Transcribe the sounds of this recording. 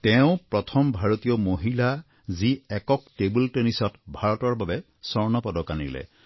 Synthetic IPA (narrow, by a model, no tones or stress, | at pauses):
tɛʊ̃pɹɔtʰɔmbʱaɹot̪ijɔmoɦila | ziɛkɔk̚tebultenisɔtbʱaɹɔtɔɹbabɛ | sɔɹnɔpɔdɔkanḭlɛ̰